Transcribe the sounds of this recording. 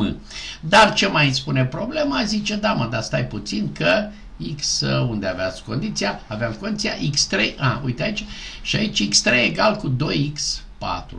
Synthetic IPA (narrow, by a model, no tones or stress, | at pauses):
ɨ̰ | d̪art͡ʃe̞majspune̞pɾo̞ble̞mazit͡ʃe̞d̪aməd̪ast̪ajput̪sinkə | iksund̪eaveat̪sʲko̞nd̪it̪sijaaveamko̞nd̪it̪sija̰ʔikst̪ɾḛʔaujt̪eait͡ʃʃiait͡ʃikst̪ɾeeɡalkud̪o̞jiks | pa̰t̪ɾu